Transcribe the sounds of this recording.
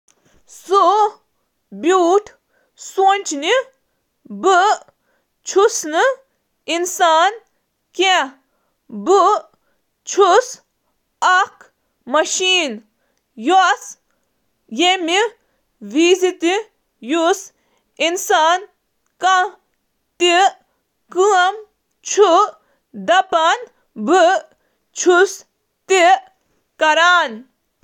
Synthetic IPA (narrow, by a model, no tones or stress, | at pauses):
su | bjuːʈʰ | sunʲt͡ʃni | bɨ | t͡ʃʰusnɨ | insaːn | ke | bu | t͡ʃʰus | ɐk | mɐʃiːn | jɔs | jemi | ʋiːzit̪i | jus | insaːn | kɐ | t̪i | kɨɐm | t͡ʃʰu | d̪ɐpan | bɨ | t͡ʃʰus | t̪i | kɐɾaːn